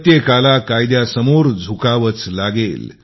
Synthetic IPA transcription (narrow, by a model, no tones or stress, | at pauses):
t̪jekalakajd̪jasəmoɾd͡zʱukaʋət͡slaɡel